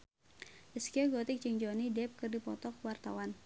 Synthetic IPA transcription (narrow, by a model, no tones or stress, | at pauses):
ʔəskiɔɡɔt̪ɪk̚d͡ʒəŋd͡ʒɔnidɛp̚kɨrdipɔ̰t̪ɔkwart̪a̰wan